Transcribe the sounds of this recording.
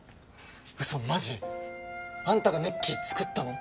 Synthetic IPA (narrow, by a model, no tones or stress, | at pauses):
ɯ̟somaʑi | ãnt̪aɡɯnekʲːit͡sɨ̥kɯ̟t̪ːano